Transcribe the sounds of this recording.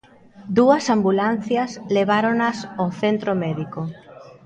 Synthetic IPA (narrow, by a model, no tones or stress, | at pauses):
d̪uɐsambulan̟θjɐsleβ̞aɾonasoθent̪ɾomɛðiko